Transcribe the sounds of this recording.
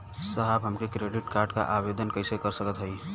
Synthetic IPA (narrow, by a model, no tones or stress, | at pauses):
səɦəbɦəmkekɾeɖiʈkaɾɖka̰ʔabed̪ənkəjsekəɾsəkət̪ɦəj